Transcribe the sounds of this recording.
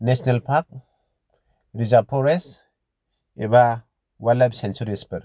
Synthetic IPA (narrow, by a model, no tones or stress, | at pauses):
nesnelpʰak̚ | ɾizapʰɔɾes | eba | walab̚sensuɾespɯɾ